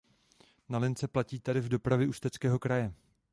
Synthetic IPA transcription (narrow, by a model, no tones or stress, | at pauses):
nalɪnt͡sɛplaciːt̪adɪvdo̞pɾavjɛʔust̪ɛt͡skɛːɦo̞kɾajɛ